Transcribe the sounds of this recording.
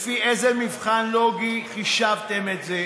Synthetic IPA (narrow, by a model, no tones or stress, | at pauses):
fiʔezemivχanloɡiχiʃavt̪emet̪ze